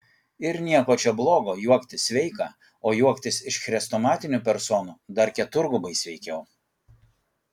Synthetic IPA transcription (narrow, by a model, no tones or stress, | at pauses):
ɪɾnʲiɛkoːt͡ʃʲɛblˠoːɡoːjuɔkt̪ʲɪsʲʋʲɛɪkɑː | oːjuɔkt̪ʲɪsɪʃxɾʲɛst̪oːmɑːt̪ʲɪnʲupʲɛɾsɔːnuːd̪ɐɾkʲɛt̪ʊɾɡʊbɐɪsʲʋʲɛɪkʲɛʊ